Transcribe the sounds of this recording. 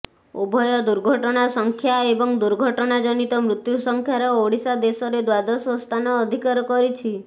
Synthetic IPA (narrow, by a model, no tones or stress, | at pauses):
o̰bʱɔjɔd̪uɾɡʱɔʈɔɽ̃asɔŋkʰjaebɔŋd̪uɾɡʱɔʈɔɽ̃ad͡ʒɔnit̪ɔmɾut̪jusɔŋkʰjaɾɔoɽisad̪esɔɾed̪wad̪ɔsɔst̪ʰanɔːd̪ʱikaɾɔkɔɾit͡ʃʰi